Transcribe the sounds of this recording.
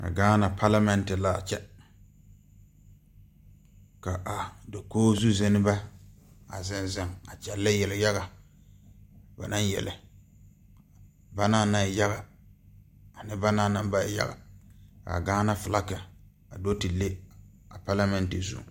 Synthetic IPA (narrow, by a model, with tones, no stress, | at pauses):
ka̰˨ɡaː˦na˨pʰa˦la˦mɛ˦ntɪ˨la˨t͡ʃɛ˦ | ka˨ʔa˨do˨koː˦zu˦zɛ˦nɪ˦ba˦ | a̰˨zɪ˨nzɪ˨ŋa˨t͡ʃɛ˨lːa˦jɛ˨lɪ˨ja˦ɣa˨ | ba̰˨na˦njɛ̰˨lɪ˨ | ba˦naː˦na˨ja˦ɣa˨ | a˨nɪ˦ba˦naː˦˨na˦mba˦˨ja̰˦ɡa̰˨ka̰˨a̰˨ɡaː˦na˦fɪ˨la˦ka˨ | a˨do˦tɪ˨le˦ | a˨pa˦la˦mɛ˦ntɪ˨zṵ˦˨